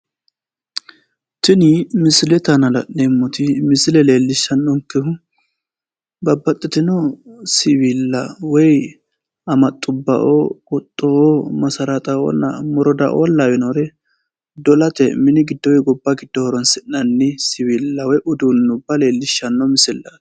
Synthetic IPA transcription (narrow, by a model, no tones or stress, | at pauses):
t̪ɪnɪmɪsɪlɛt̪ɐnɐlɐ̰nemːʊt̪ɪmɪsɪlɛle̞ːlːɪʃːɐnːɔŋkːɛhʊ | bɐbːɐt̪ʼːɛt̪ɪnɔsɪwiːlːɐwɔj | ɐmɐt̪ʼːʊbːɐ̰ʔokʼɔt̪ʼːɔomɐsɐɾɐt̪ʼɐɔ̰nːɐ̰mɔɾɔd̪ɐ̰ʔo̰lːawɛnoɾɛ | d̪ɔlɐt̪ɛ̰mɪnɪɡɪd̪ːɔwɔjɡɔbːaɡɪd̪̥ːɔhɔɾɔnsɪnɐnːɪsɪwiːlːɐwɔjʔʊd̪unːʊbːɐle̞ːlːɪʃːɐnːɔmɪsɪlːɐ̥